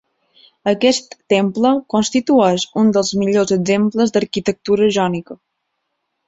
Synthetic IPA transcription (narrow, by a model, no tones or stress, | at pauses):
əkɛst̪ːempləkonst̪it̪uɛʃund̪əlˠzmiʎozəɡzempləzd̪əɾkit̪ək̚t̪uɾəʒɔnikə